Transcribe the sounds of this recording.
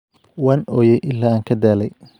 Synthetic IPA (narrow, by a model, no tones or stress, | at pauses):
waːnɔːjɛjʔɪlːaːaːŋkʰɐd̪aːlɛj